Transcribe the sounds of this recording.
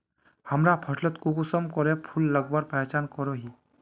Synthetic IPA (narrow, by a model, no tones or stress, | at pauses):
həmɾapʰəʈʰlət̪kuɡusəmkɔɾepʰulːəɡbaɾpɛt͡ʃaːnkɔɾoɦiː